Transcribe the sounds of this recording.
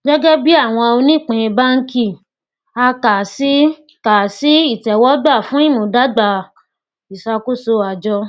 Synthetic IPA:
ɡɛ˦ɡɛ˦bi˦a˦˨w̃ɔ̃˧o˧nĩ˦˨k͡pẽ˧ba˦ŋ̩˦ki˦˨ | a˧ka˨si˦˨ | ka˨si˨˦i˦˨tɛ˨wɔ˨˦ɡ͡ba˦˨fũ˨˦i˦˨mũ˨˦da˦ɡ͡ba˧˨ | i˨sa˧ko˦so˧a˨d͡ʒɔ˧

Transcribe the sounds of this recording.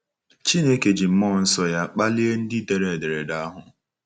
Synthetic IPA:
t͡ʃi˦ne˦ke˨d͡ʒi˨m̩˦mɔ˦˨n̩˦sɔ˦ja˦k͡pa˦li˦e˦n̩˦dɪ˦de˨ɾe˨de˨ɾe˨da˦ɦʊ˨

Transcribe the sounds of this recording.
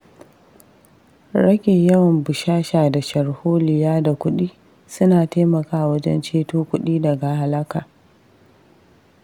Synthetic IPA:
ɽɐ˦ɡʲe˨jɐ˦wɐ˨mbʊ˨ʃaː˦ʃaː˨da˨ʃɐ˨ɽhoː˦lɪ˨jaː˦da˨kʷʊ˦ɗiː˦ | sʊ˦naː˨teː˦mɐ˨kaː˦˨wɐ˦d͡ʒɛ̰˦nt͡ʃeː˦toː˦kʷʊ˦ɗiː˦dɐ˨ɡa˨ha˨lɐ˦kaː˨

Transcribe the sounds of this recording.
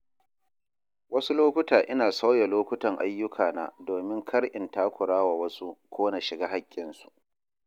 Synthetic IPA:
wɐ˦su˦loː˦kʷʊ˦taː˨ʔɪ˦naː˨sa˦wja˨loː˦kʷʊ˦tɐ˨ŋʔa̰˦jːʊ˦kʰaː˨na̰ː˦doː˨mɪ˦ŋkʰɐ˦ɽʔɪ˨ntaː˦kʷʊ˨ɽaː˦waː˨wɐ˦su˦kʷoː˦na˨ʃɪ˨ɡaː˦ɦa˦kʲʼːɪ˨nsu̥˨ʔ

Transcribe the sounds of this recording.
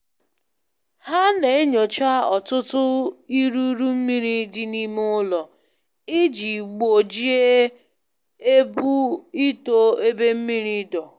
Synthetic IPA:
ha˦ne˨e˦ɲo˨t͡ʃa˦ɔ˨tʊ˦tʊ˦i˦ɾu˦ɾu˦m̩˦mi˦ɾi˦dɪ˦ni˦m˦ʊ˦lɔ˨ | ɪ˦d͡ʒi˨ɡ͡bo˨d͡ʒi˦e˦ | e˦bu˦i˦to˦e˦be˦m̩˦mi˦ɾi˦dɔ˨

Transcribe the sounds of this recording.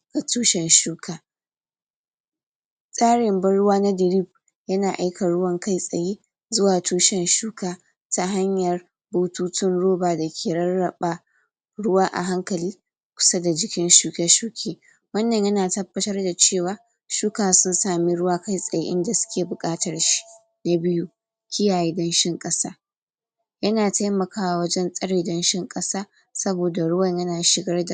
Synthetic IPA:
ɡ̥a˨tuː˦ʃɛ˨nʃuː˦kʰaː˨ | sʼaː˦ɽɪ˨mbɐ˦nɽʊ˦waː˦na˦dɪ˨ɾi˦˨b̚ | jɐ˦naː˨ʔa˦jka˨ɽʊ˦wɐ˦ŋka˦jsʼɐ˨jiː˦ | zʊ˦waː˨tuː˦ʃɛ˨nʃuː˦kaː˨ | ta˦ɦa˦ɲjɐ˨r | bo˨tuː˦tɪ˦nɽoː˦baː˨dɐ˨kʲʰeː˨ɽɐ˦rːɐ˨ɓa˨ | ɽʊ˦waː˦ʔa̰˨ɦa˦ŋkɐ˨liː˦ | kʷʊ̥˨sa˦da˨d͡ʒɪ˦kʲɪ˦nʃuː˦kʲɛ˦ʃuː˦kʲʰeː˦ | wɐ˦nːɐ˨ɲjɐ˦naː˨tɐ˦bːɐ˦tɐ˦rda˨t͡ʃeː˦˨waː˨ | ʃuː˦kaː˨sʊ˦nsaː˨mi˦ɽʊ˦waː˦ka˦jsʼɐ˨ja̰˦ʔɪ̰˦nda˨sʊ̥˦kʲeː˨bʊ˨kʼaː˦tɐ˨rʃi̥˦ | na˦bɪ˦ju˦ | kʲɪ˦jaː˨jeː˦dɐ˦nʃɪ˦ŋkʼɐ˦saː˦ | jɐ˦naː˨ta˦jmɐ˨kaː˦wa˨wɐ˦d͡ʒɛ˦nsʼɐ˦ɽeː˨dɐ˦nʃɪ˦ŋkʼɐ˦saː˦ | sɐ˦boː˨da˨ɽʊ˦wɐ˨ɲjɐ˦naː˨ʃɪ˨ɡɐ˦rda˨

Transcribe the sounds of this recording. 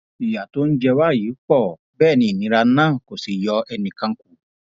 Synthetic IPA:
i˨ja˨to˦n̩˦d͡ʒɛ˧wa˦˨jiː˨˦k͡pɔ˦˨ | bɛː˦˨nĩ˧˨nĩ˨˦ɾa˧˦nãː˦˨ko˨si˨jɔ˧ɛ˧nĩ˧kã˧ŋ̩˦ku˨˦

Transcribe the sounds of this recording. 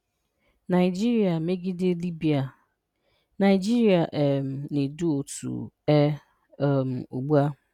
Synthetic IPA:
na˨ɪ˨d͡ʒi˦ɾi˨a˨me˦ɡi˦dɪ˦li˦bi˨a˨ | na˨ɪ˨d͡ʒi˦ɾi˨a˨ʔɛ˨m̩˨ne˨du˦o˨tṵ˨ɛ˦ | ɛ˦˨m̩˨o̰˨ɡ͡bu˦a˦

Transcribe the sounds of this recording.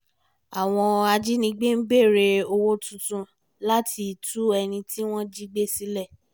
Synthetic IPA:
a˨w̃ɔ̃˧a˧d͡ʒi˦nĩ˧˦ɡ͡be˦n̩˦ɡ͡be˦˨ɾe˧o˧wo˦tũ˧tũ˧ | la˦tʰi˧˨tu˦ɛ˧nĩ˧tʰi˦w̃ɔ̃˦d͡ʒi˦ɡ͡be˦si˦lɛ˦˨

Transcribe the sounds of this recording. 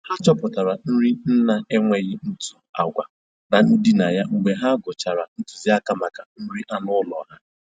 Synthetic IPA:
ha˦t͡ʃɔ˦pʊ˨ta˨ɾa˨n̩˦ɾi˦n̩˦na˦e˦ŋʷe˦ɣɪ˦n̩˦tu̥˨a˨ɡʷa̰˨ | na˨n̩˦di˦na˨ja˦ŋ͡m̩˨ɡ͡be˨ɦa˦ɡʊ˨t͡ʃa˨ɾa˨n̩˦tu˨zi˦a˦ka˦ma˨ka˨n̩˦ɾi˦ʔa˦nʊ˦lɔ̰˨ɦa˦

